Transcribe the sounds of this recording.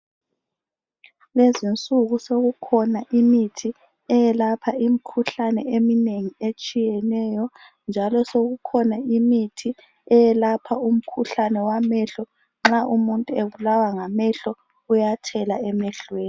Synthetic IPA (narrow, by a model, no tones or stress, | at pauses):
lezint͡sʼuɣusoɣukʰɔnaʔimitʰi | ɛjɛlapʰaim̩kʰuɬanɛemineŋiet͡ʃʼijɛnɛjɔ | nd͡ʒʱalɔsoɣukʰɔnaimitʰi | ɛjɛlapʰaum̩kʰuɬanɛwamɛɬɔ | ŋ͡ǁaʔumuntʼueβulawaŋamɛɬɔ | ujatʰɛlaɛmɛɬweːn